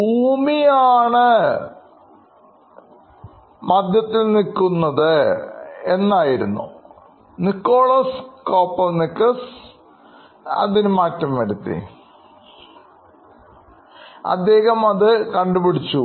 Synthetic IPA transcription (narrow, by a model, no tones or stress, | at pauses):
bʱuːmijaːɳɨ | mɐd̪jɐt̪ːilnikːunːɐðɨ | enːaːjiɾunːṵ | nikːoːɭɐskoːpːɐlnikːɐs | ɐ̰ðinumaːtːɐmʋɐɾut̪ːḭ | ɐ̰d̪ːe̞ːɣɐmɐðɨkɐɳɖubiɽit͡ɕːu